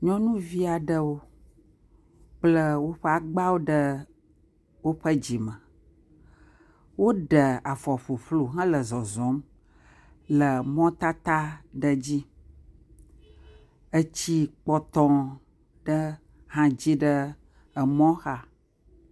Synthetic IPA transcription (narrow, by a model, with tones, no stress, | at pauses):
ɲɔ̃˦nũ˦vi˦a˨ɖə˦wo˦ | k͡plə˦wo˦ɸə˦a˨ɡ͡ba˦wo˦ɖə˦ | wo˦ɸə˦d͡ʑi˨mə̃˨ | wo˦ɖə˨a˨fɔ˨ɸu˨ɸlu˨ɦã˦lə˨zɔ˨zɔ̃˨˦m | lə˨mɔ̃˦t̪a˦t̪a˦ɖə˨d͡ʑi˦ | ə˦t͡ɕi˦k͡pɔ˦t̪ɔ̃˦ | ɖə˦ | hã˦d͡ʑi˦ɖə˦ | ə˨mɔ̃˦xa˦